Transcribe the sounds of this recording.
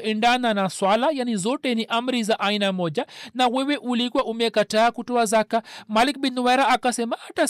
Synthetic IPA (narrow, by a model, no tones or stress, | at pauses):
ʔɛɳdananaswalajanizɔtɛniʔam̩ɾizaʔainamɔʄanawɛwɛʔulikwaʔumɛkataːkutɔazakamalik̚binwɛɾaakasɛmaata